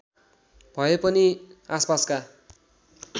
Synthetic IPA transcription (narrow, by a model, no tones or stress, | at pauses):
b̥ʱʌepʌniaspaska